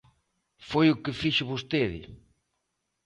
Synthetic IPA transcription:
fojʊkɪfiʃʊβost̪eðɪ̰

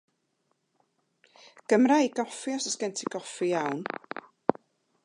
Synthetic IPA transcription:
ɡ̥əmɾaiɡɔfiɔsəsɡ̥ɛntʰiɡɔfijawn

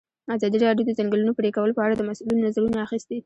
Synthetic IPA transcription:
azɑd̪iɾɑɖjod̪əzaŋɡəlunopəɾekawəlopəaɽad̪əmasulinonazaɾunaaxist̪i

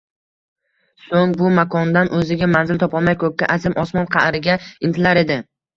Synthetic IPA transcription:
soŋbʊmakʰɒnd̪anʔɵzɪɡʲamanzɪlt̪ʰɒpɒlˠmajkʰɵkʲːaʔazɪmɒsmɒnqʰɑɾɪɡʲaɪnt̪ʰɪlaɾe̞d̪ɪ

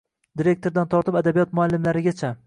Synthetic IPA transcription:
d̪iɾe̞k̚ʲt̪ʰo̞ɾd̪ant̪ʰɒɾt̪ɪpad̪abijɒt̪̚mʊalːɪmlaɾɪɡʲat͡ʃʰa

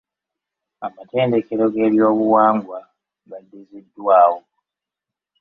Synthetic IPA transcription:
amate̞ːnde̞ke̞ɾo̞ɡe̞ːβjo̞ːβuwaːŋɡwa | ɡadːizidːwaːwo

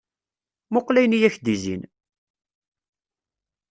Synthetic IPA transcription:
moqlæjnijæçd̪izḭn

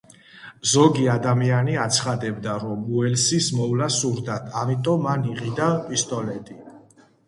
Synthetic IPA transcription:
zɔɡiad̪amianiat̪sʰχad̪ɛbd̪aɾɔmuɛlsismɔvlasuɾd̪at̪ʰamit̪ʼɔmːaniʁid̪apʼist̪ʼɔlɛt̪ʼi

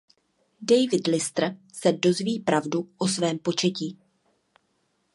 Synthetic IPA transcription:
dɛjvɪdlɪst̪r̩sɛdo̞zviːpɾavduʔo̞svɛːmpo̞t͡ʃɛciː

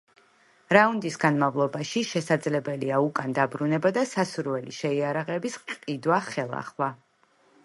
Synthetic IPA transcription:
ɾaund̪isɡanmavlˠɔbaʃiʃɛsad̪zlɛbɛliaukʼand̪abɾunɛbad̪asasuɾvɛlḭʃɛiaɾaʁɛbisqʼqʼid̪waχɛlˠa̰χwa

